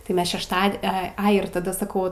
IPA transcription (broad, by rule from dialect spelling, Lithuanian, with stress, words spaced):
tɐɪ ˈmʲɛs ʃʲɛʃˈtɐt ˈɛ ˈɐɪ ɪr tɐˈdɐ sɐˈkɐʊ